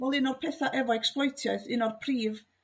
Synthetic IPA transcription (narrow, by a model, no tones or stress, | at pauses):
vɛlˠɨnɔrpʰɛθaʔɛvaɛksplˠɔjtʰjaɨθɨnɔrpʰriːv